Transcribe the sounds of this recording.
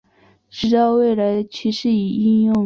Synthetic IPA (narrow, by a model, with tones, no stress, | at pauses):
ʈ͡ʂɻ̩˧˥t̪ɑ˥˧ʊwe˥˩ɪla˧˥ɪt͡ɕʰy˧˥ʂɻ̩˧˥˩i˨˩i˥˧njʊ˥˧˩